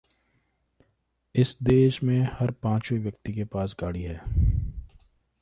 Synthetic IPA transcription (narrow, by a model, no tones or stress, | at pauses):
ɪsd̪eːʃmẽhɐɾpãːt͡ʃweʋjək̚t̪ikepaːsɡaːɽiɦɛː